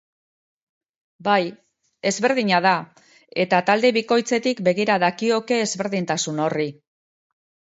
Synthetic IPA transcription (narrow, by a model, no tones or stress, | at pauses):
baj | e̞zβe̞ɾð̞iɲaða | e̞t̪at̪ald̪e̞βiko̞jt͡se̞t̪ikbe̞ɣ̞iɾaðakio̞ke̞ːzβe̞ɾðint̪asuno̞ri